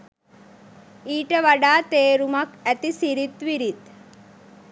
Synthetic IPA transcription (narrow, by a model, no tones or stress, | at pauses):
iːʈəʋaɖaːt̪eːɾumakɛt̪isiɾit̪ʋiɾit̪